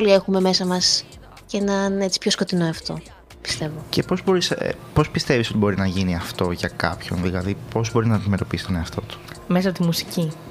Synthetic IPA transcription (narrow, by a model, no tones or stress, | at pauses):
olie̞xume̞me̞sɐmɐs | cenɐnet͡si̥pço̞sko̞t̪ino̞ɐft̪o̞̰ | pi̥st̪e̞vo̞ce̞po̞zbo̞ɾisḛpo̞spist̪e̞viso̞t̪ibo̞ɾinɐʝiniɐft̪o̞ʝɐkɐ̰pço̞̰nðilɐðipo̞zbo̞ɾinɐnime̞ɾo̞piisi̥t̪o̞neɐft̪o̞t̪u̥ | mes̬ɐot̪imusi̥ci